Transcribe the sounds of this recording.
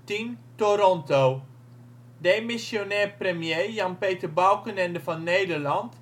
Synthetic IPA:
tintoɾɔntow | dejmɪsjonɛːprəmjeːjɑnpeːtərbawkənɛndəvɔnːeːdərlɑnt

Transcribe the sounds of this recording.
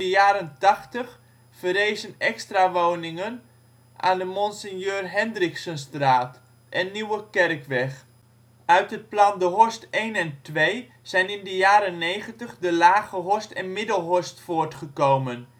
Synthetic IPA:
əjaːɾəntɑχtəχ | fərejzənɛkstraʋownɪŋən | ʔa̰ːndəmɔnsɪnjøːrɦɛndrɪksənstraːt | ʔɛnːiwəkɛrkʋɛχ | œɥtɦət̚plɑndəɦɔɹstejnɛntʋej | z̥ɛjnɪndəjaːɾənːejχəntəχdəlaːɣəɦɔɹstɛnmɪdəlˠɦɔɹstfoːrtχəkowmən

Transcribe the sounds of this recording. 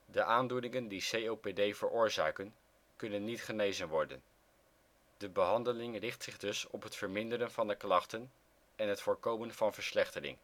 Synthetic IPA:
dəʔaːndunɪŋəndisejowpedejvəɹʔʊːɹza̰ːkən | kɵnənːitχənejzənʋɔɹdə̰n | d̥əbəɦɑndəlɪŋrɪχtsɪχdɵsɔ̰pɦətfəɹmɪndəɾənvɑndəklɑχtən | ɛnɦətfoːɹkowmənv̥ɑnvəɹslɛχtərɪ̰ŋ

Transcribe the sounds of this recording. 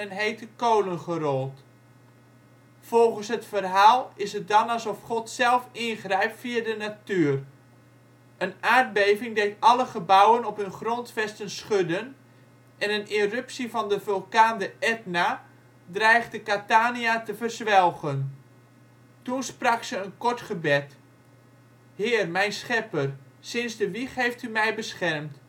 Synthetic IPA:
ənɦejtəkowlənχərɔlˠt | fɔlˠχənsɦətfərɦaːlˠɪsət̚dɑnɑlsɔfχɔtsɛlˠfɪnχrɛjpfiədənatyər | ʔənaːrd̚bejvɪŋdeːtɑləχəbawənɔpɦɵnχrɔntfɛstənsχødən | ʔɛnənirøpsivɑndəvølˠkaːndəɛtna | drɛjχtdəkataːniatəvərzʋɛlˠɣən | tunsprɑksəənkɔɹtχəbɛt | hɪːrmɛjnsχɛpər | sɪnsdəʋiχɦejftymɛjbəsχɛrmt

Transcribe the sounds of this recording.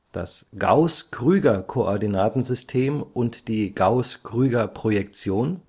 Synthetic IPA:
d̥a̰sɡ̥a̰ʊskʁ̥yːɡɐkʰoʔɔɐdinaːtn̩zʏstʰeːmʔʊntd̥iːɡ̥aʊskʁ̥yːɡɐpʁ̥ojɛkt͡sjoːn

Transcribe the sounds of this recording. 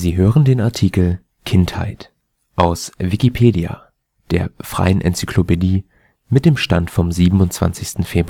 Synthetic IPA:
ziːɦøːʁəndeːnaɐtʰiːkl̩ | kʰɪntha̰ɪt | ʔaʊsvikipʰeːdia̰ | d̥eːɐfʁ̥a̰ɪənʔɛ̰nt͡sykʰlopediː | mɪt̚d̥eːmʃtantfɔmziːbm̩ʊntt͡sv̥a̰nt͡sɪçstn̩feːbʁ

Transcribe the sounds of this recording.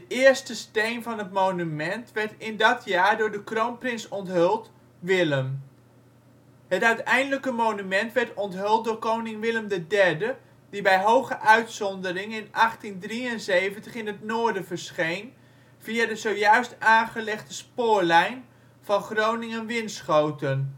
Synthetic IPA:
ətɪːəɹstəstejnvɑnɦətmownymɛntʋɛɹtɪndɑtʰjaːɹdʊːɹdəkrownprɪnsɔntɦʏlˠt | ʋɪləm | ɦətœɥtɛjndələkəmownymɛntʋɛɹtɔntɦɵlˠt̚dʊːɹkownɪŋʋɪləmdədɛɹdə | dibɛjɦowχəʔœɥtsɔndərɪŋɪnʔɑχtindriənzejvəntəχɪnɦətnʊːɹdəvəɹsχejn | v̥iaːdəzowjœɥstaːnχəlɛχtəspʊːɹlɛjn | v̥ɑnχrownɪŋənʋɪnsχowtən

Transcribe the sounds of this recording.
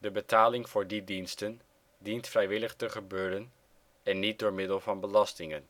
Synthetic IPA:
dəbətaːlɪŋv̥ʊːɹdidinstən | dintfrɛjʋɪləχtəχəbøːɾən | ɛnːit̚dʊːɹmɪdəlˠvɑnbəlɑstɪŋən

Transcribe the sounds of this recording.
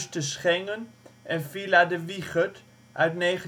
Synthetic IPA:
stəsχɛŋənʔɛnfiladəʋiχət | ʔœɥtneːχə

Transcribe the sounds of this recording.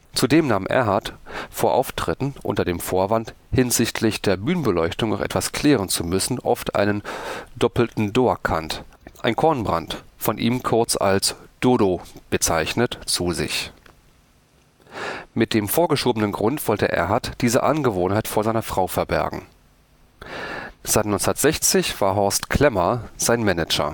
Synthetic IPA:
t͡sudeːmnaːmʔɛ̰ɐɦaɐtfoːɐʔa̰ʊftʁ̥ɪtn̩ʔʊ̰ntɐdeːmfoːɐvant | hɪnzɪçtʰlɪçd̥eːɐbyːnənbəlɔʏçtʊŋna̰ʊχʔɛ̰tv̥askl̥ɛːʁ̞ənt͡sumʏsn̩ʔɔ̰ftʔa̰ɪnəndɔpl̩tn̩doːɐkʰantʔaɪnkʰɔɐnbʁa̰ntfɔnʔḭːmkʰʊɐt͡sa̰lsd̥oːdob̥ət͡saɪçnətt͡suːzɪ̰ç | mɪt̚d̥eːmfoːɐɡəʃoːbənənɡʁʊntv̥ɔltəʔḛːɐɦatd̥iːzə̰ʔanɡəvoːnhaɪtfoːɐzaɪnɐfʁ̥aʊfɛɐbɛ̰ɐɡŋ̩ | z̥aɪtnɔɪnt͡sndɐtz̥ɛçt͡sɪçv̥aːɐɦɔɐstkʰl̥ɛmɐz̥aɪnmɛnɛd͡ʒɐ̰

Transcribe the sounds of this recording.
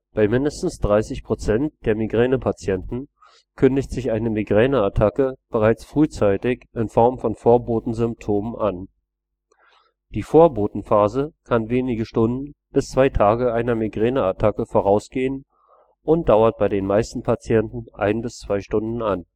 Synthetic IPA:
b̥aɪmɪndəstn̩sd̥ʁaɪsɪçpʁ̥ot͡sɛnt̚d̥eːɐmiɡʁɛːnəpʰat͡sjɛntn̩ | kʰʏndɪçtz̥ɪçʔaɪnəmiɡʁɛːnəatʰakəb̥əʁaɪt͡sfʁ̥yːt͡saɪtɪçɪnfɔɐmfɔnfoːɐboːtn̩zʏmp̚tʰoːmənʔan | d̥iːfoːɐboːtn̩faːzəkʰanveːnɪɡəʃtʊndn̩b̥ɪst͡sv̥aɪtʰaːɡəʔaɪnɐmiɡʁɛːnəatʰakəfoːʁ̞aʊsɡ̥eːən | ʔʊnt̚d̥aʊɐt̚b̥aɪdeːnmaɪstn̩pʰat͡sjɛntn̩ʔa̰ɪnbɪst͡sv̥aɪʃtʊndn̩an

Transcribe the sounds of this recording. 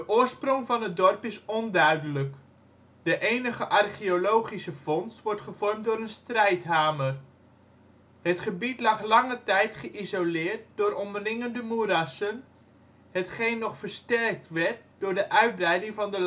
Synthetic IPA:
dəʔʊːrsprɔŋvɑnət̚dɔrpɪsɔndœɥdələk | dəʔejnəχəʔɑrχiolowχisəfɔnstʋɔrtχəv̥ɔrmtdʊːɾənstrɛjtɦaːmər | hətχəbitlɑχlɑŋətɛjtχəʔizolɪːrt̚dʊːɾɔmrɪŋəndəmurɑsən | ɦətχejnːɔχfərstɛrk̚tʋɛrt̚d̥ʊːrdəʔœɥt̚brɛjdɪŋvɑndəl

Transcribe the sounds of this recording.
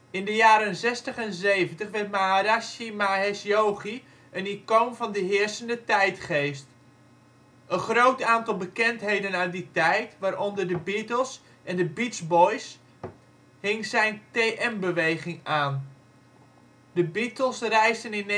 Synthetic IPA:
ɪndəjaːɾənzɛstəχɛnzejvəntəχʋɛɹt̚maaɾaʃimaɦɛsjowχi | ʔənikowmvɑndəɦɪːɹsəndətɛjtχejst | ənχrowtaːntɑlˠbəkɛntɦejdənaditɛjtʋaːɾʔɔndərdəbitəlˠs | ʔɛndəbitzbɔjs | hɪŋzɛjnteːʔɛmbəʋejχɪŋaːn | dəbitəlˠsrɛjstənɪn

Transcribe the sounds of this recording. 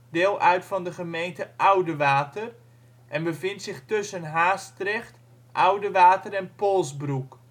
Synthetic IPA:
d̥ɪːlˠʔœɥtfɑndəχəmejntəʔɔwdəʋaːtər | ʔɛnbəvɪntsɪχtɵsənɦaːstrɛχt | ʔɔwdəʋaːtərɛnpolˠsbruk

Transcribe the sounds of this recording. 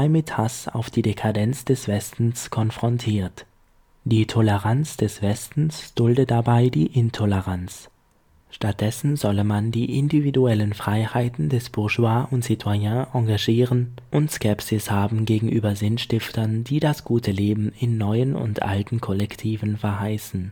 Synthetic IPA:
ɪmɪthasa̰ʊfd̥iːdekʰadɛnt͡sd̥ɛsv̥ɛstn̩skʰɔnfʁ̥ɔntʰiːɐt | d̥iːtʰɔləʁant͡sd̥ɛsv̥ɛstn̩sd̥ʊldətd̥abaɪdiːʔɪntʰɔləʁant͡s | ʃtat̚d̥ɛsn̩zɔləmandiːʔɪndividuɛlənfʁ̥aɪhaɪtn̩dɛsb̥ʊɐʒuaːʔʊntz̥ɪtʰwajãːʔɑŋɡaʒiːʁən | ʔʊntskʰɛpsɪshaːbm̩ɡeːɡŋ̩ʔyːbɐzɪnʃtɪftɐnd̥iːdasɡ̥uːtʰəleːbm̩ɪnːɔʏənʊ̰ntʔa̰ltn̩kʰɔlɛktʰiːvn̩fɛɐɦaɪsn̩

